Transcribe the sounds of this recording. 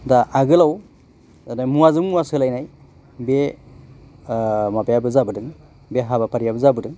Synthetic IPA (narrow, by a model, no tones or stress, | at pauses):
daʔaɡɯlaw | anajmuwazɯmmuwasɯlajnaj | be | mabajabɯzabɯdɯŋ | beɦabapʰaɾijabɯzabɯdɯŋ